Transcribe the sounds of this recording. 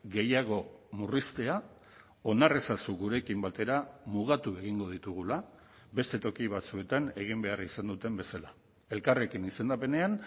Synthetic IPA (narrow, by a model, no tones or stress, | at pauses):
ɣe̞jaɣ̞o̞murist̪e̞a | o̞nare̞sasuɣuɾe̞kimbat̪e̞ɾamuɣat̪ue̞ɣ̞iŋɡo̞ð̞it̪uɣ̞ula | be̞st̪e̞t̪o̞kiβ̞at͡sue̞t̪ane̞ɣimbe̞arisand̪ut̪e̞mbe̞sala | e̞lkare̞kinise̞nd̪ape̞ne̞an